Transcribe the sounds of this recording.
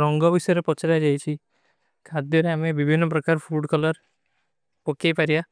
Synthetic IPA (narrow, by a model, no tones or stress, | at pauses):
ɾɔŋɡɔbisɔjɾepɔt͡ʃʰaɾad͡ʒajt͡ʃʰi | kʰad̪joɾeamebibʱinːɔpɾɔkaɾpʰuɖkɔlɔɾ | pɔkepaɾija